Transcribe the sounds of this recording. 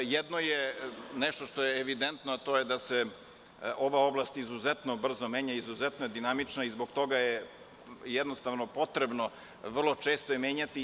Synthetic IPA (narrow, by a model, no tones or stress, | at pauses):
jɛd̪nojenɛʃt̪oʃt̪o̞jeːʋid̪ent̪noat̪ojed̪ase | ʔo̞ʋao̞blˠast̪izuzɛt̪nobr̩zomeːɲaizuzɛt̪nojed̪inamit͡ʃnaizboɡt̪o̞ɡaje | jɛd̪nost̪aʋnopo̞t̪ɾebno | ʋr̩lˠo̞t͡ʃeːst̪ojemeːɲat̪i